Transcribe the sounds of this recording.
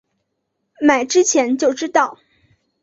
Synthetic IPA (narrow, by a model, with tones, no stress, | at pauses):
ma˨˩ɪʈ͡ʂɻ̩˥t͡ɕʰjɛ˧˥nt͡ɕjo˥˨˩ʊʈ͡ʂɻ̩˥t̪ɑ˥˩ʊ